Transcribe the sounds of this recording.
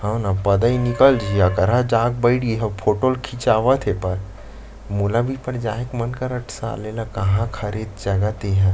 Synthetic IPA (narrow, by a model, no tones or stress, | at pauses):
hãnapəd̪əinikəld͡ʒʱiɐkəɾɦãd͡ʒaːɡ̚bəɪɽiɦɛ̃pʰoːʈolkʰit͡ʃaːʋət̪ʰɦepɐɾ | molabʱipəɾd͡ʒaːɦekmənkaɾəʈʰsaa̰lelakɐɦãkʰəɾid̪d͡ʒɐɡat̪eɦɛ̃